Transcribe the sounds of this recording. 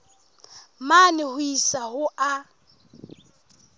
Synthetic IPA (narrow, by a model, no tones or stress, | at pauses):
manɪhʊisahʊʔa